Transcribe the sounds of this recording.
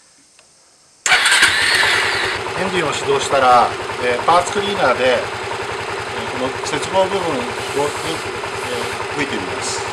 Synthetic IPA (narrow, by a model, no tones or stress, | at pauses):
ẽnd̪ĩɰ̃o̞ɕid̪o̞ːɕi̥t̪aɾaepaːt͡skɯ̟ɾʲiːnaːd̪e̞ | ko̞no̞ | se̞t͡sɨbo̞ːbɯ̟bɯ̟̃ŋ | oɲi | hɯit̪emʲima̰sɨ̥